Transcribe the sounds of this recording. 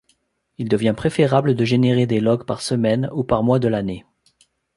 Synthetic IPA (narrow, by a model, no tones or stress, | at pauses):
ild̪əvjɛ̃pχefeʁabləd̪əʒeneʁed̪elɔɡpaʁsəmɛnupaʁmwad̪əlane